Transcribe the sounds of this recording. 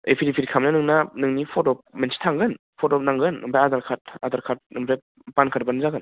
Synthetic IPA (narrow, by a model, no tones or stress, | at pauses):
epʰidipʰitkʰamnanɯŋnanɯŋnipʰotɔp̚mensi̥tʰaŋɡɯn | pʰotɔp̚naŋɡɯnːɯmpʰɾajadaɾkʰat̚adaɾkʰat̚nɯmpʰɾa | pankʰat̚banzaɡɯn